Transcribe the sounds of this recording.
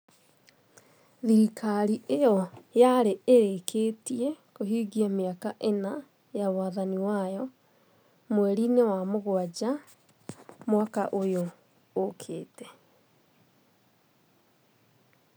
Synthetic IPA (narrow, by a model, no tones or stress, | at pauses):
ðiɾikʰaɾiejɔjaɾeeɾekʰeːtiɛkoɦiːɡiameakaʔena | jawaðaniwajɔ | mwɛɾinewamoɣwad͡ʒa | mwaka̰ʔojoː | kʰeːtɛ̥